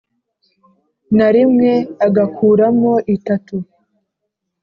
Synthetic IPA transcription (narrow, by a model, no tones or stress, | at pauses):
naɾimŋe̞aɡakʰuːɾamo̞ʔitatu